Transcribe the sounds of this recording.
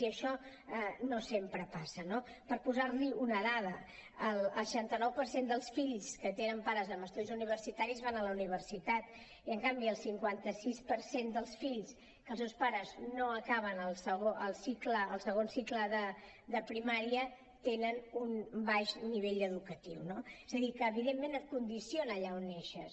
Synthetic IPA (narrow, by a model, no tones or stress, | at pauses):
iəʃɔ | ɛnosempɾəpasənopəɾpuzarliunəðað̞ə | əlˠʃant̪ənɔwpəɾsend̪əlˠsfiʎskət̪enəmpaɾəzəməst̪uðizuniβ̞ərsit̪aɾizβanələuniβ̞ərsit̪at̪ | iəŋkambiəlˠsiŋkwant̪əsispəɾsend̪əlˠsfiʎs | kəlˠstewspaɾəznoəkaβənəlˠsəɣoʔəlˠsikləːlˠsəɣonsikləðə | d̪əpɾimaɾiə | t̪enənunbaʃniβeʎəðukət̪iwnoezəðikəːβiðemːẽnət̪̚kund̪isionəːʎaonːeʃəs